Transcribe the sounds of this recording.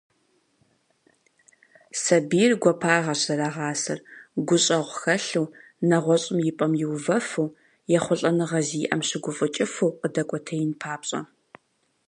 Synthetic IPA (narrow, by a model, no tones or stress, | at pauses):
sɐbiːrɡʷɔpʰaːʁɐɕzɐɾaʁɑːsɐ̰rɡʷʊɕʼɐʁʷxɐɬuː | nɐʁʷɔɕʼɪmjɪpʼɐmjɪwvɐfɨw | jɛχʷʊɬʼɐnɨʁɐziːʔɐ̰mɕɪɡʷʊfʼɨt͡ʃʼɪfɨwqədɐkʷʼɔtʰɐjɪnpʰaːpɕʼɐ̰